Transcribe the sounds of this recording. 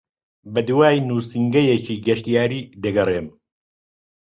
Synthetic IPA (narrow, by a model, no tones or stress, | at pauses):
bɐd̪uwaːjnuːsiŋɡɐjet͡ʃiːɡɐʃt̪ijaːɾiːd̪ɐɡɐreːm